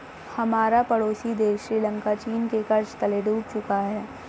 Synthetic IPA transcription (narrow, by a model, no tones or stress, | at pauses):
hɐmaːɾapɐɽoːsid̪eːʃːɾiːlə̃ŋkat͡ʃiːnkekɐɾt͡ʃt̪ɐleːɖuːbsʊkaɦɛː